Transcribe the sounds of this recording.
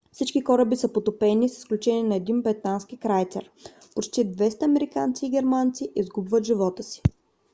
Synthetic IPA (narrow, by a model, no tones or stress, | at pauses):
fsit͡ʃkikɔɾəbisəpot̪opɛnisə̥sklʲut͡ʃɛniɛnɐɛd̪inbɾɛt̪anskikɾajt̪sɛ̰ɾ | pot͡ʃt̪id̪vɛst̪əɐmɛɾikant̪siːɡʲɛɾmant̪siʔizɡubvət̪ʒivɔt̪əsi̥